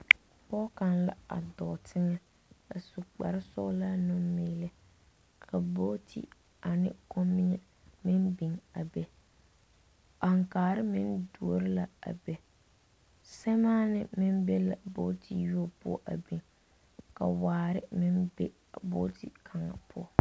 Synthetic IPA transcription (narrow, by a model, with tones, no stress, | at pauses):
pɔ˦ka˨nla̰˦a̰˨dɔ˨tʰɪ˦ŋɛ˦ | a˨su˨k͡pa̰˨ɾɪ˦sʊ̰˦la˦nʊ˦miː˦lɪ˦ | kʰa˨bo˦tʰḭ˦ | a˨nɪ̰˦ko˦mːi˦ŋɛ˦ | mɪ˦nbi˨ŋa˨be˦ | a˨ŋkaː˨ɾɪ˦mɪ̰˦ndu˨o˨ɾɪ˦la˨a̰˨be˨ | sɛ˦maː˦nɪ˦mɪ˦mbe˦la˨bo˦tʰi˦˨ju˦o˦˨pʊ̰˦ɔ˨ʔa̰˨bi˨ŋ | ka̰˨waː˨ɾɪ˦mɪ˦nbḛ˦ | bo˦tḭ˨kʰa˨ŋa̰˨pʰʊ˦ɔ˨